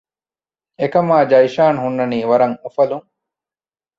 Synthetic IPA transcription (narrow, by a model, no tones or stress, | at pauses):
ekɐmaːd͡ʒɐjʃaːnɦunːɐniːʋɐɾɐŋofɐluŋ